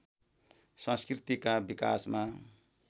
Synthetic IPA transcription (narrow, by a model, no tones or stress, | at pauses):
sʌ̃skrit̪ikabika̰sma